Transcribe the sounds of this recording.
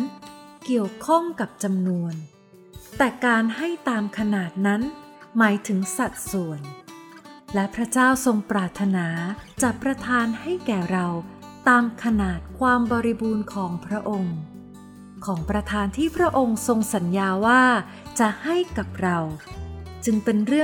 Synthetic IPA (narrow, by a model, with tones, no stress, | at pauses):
nki˨˩əwkʰɔ˥˩ŋka˨˩p̚t͡ɕa˧mnu˧ən | t̪ɛː˨˩kaː˧nha˥˩jt̪aː˧mkʰa˧naː˨˩t̪̚na˦˥nmaː˩˦jt̪ʰɯ˩˦ŋsa˨˩k̚su˨˩ən | lɛ˦˥pʰɾa˦˥t͡ɕaː˥˩wso˧ŋpɾaː˨˩t̪ʰːa˧naː˩˦t͡ɕa˨˩pɾa˧t̪ʰaː˧nha˥˩jkɛː˨˩ɾa˧w | t̪aː˧mkʰa˧naː˨˩t̪̚kʰwaː˧mbɔː˧ɾi˧buː˧nkʰɔː˩˦ŋpʰɾa˦˥ʔo˧ŋ | kʰɔː˩˦ŋpɾa˧t̪ʰaː˧nt̪ʰiː˥˩pʰɾa˦˥ʔo˧ŋso˧ŋsa˩˦njaː˧waː˥˩ | t͡ɕa˨˩ʔha˥˩jka˨˩p̚ɾa˧wt͡ɕɯ˧ŋpe˧nɾɯ˥˩ə